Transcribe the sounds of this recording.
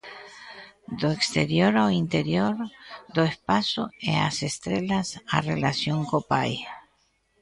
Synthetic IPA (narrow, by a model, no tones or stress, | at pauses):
d̪oekst̪eɾjoɾaint̪eɾjoɾd̪oespasoḛa̰sest̪ɾelasa̰relasjoŋkopa̰j